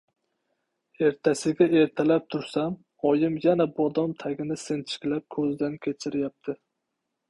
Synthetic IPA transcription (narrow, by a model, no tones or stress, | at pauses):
e̞ɾt̪ʰasɪɡʲae̞ɾt̪ʰalap̚t̪ʰʊɾsam | ɒjɪmjanabɒd̪ɒmt̪ʰaɡʲɪnɪse̞nt͡ʃʰɪ̥kʲlap̚kʰɵzd̪ankʲʰe̞t͡ʃʰɪɾjap̚t̪ʰɪ